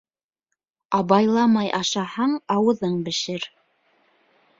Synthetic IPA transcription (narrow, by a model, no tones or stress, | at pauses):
ɑβɑjlˠɑmɑjʔɑʃɑhɑɴɑwɤ̆ðɤɴbɘ̆ʃɘɾ